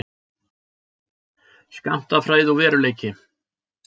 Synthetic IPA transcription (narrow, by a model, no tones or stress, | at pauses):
ska̰m̥t̪afɾaːjðawvɛːɾʏleːjcɪ